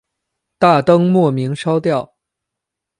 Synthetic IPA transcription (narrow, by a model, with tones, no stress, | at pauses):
t̪a˥˩t̪ɤ˥ŋmwɔ˥˩mi˧˥ŋʂɑ˥ʊt̪jɑ˥˩ʊ